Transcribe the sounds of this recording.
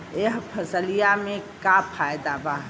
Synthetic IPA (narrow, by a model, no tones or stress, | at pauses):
eɦpʰɐsəlijamẽkapʰaːjd̪aba